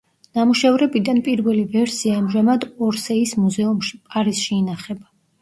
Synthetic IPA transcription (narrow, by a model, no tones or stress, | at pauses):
namuʃavɾɛbid̪anpʼiɾvɛlivɛɾsiaːmʒamad̪ɔɾsɛismuzɛumʃipʼaɾisʃiːnaχɛba